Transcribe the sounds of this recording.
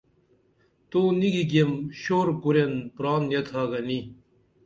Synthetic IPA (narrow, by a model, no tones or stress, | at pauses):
t̪oːniɡiɡemɕoːɾkuɾenpɾaːnjet̪ʰaːɡɐni